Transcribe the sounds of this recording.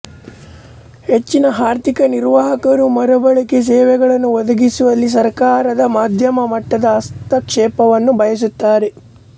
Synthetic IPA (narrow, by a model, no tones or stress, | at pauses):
he̞t͡ʃːinɐɦaːɾt̪ikɐniɾʋaːɦɐkɐɾumɐɾɐbɐɭikes̬ɛːʋɛɡɐɭɐnːuʋɔd̪ɐɡisuʋɐlːis̬ɐɾkaːɾɐd̪ɐmaːd̪ʱjɐmɐmɐʈːɐd̪ɐːst̪ɐkʂɛːpɐʋɐnːubʱɐjɐs̬ut̪ːaːɾe̞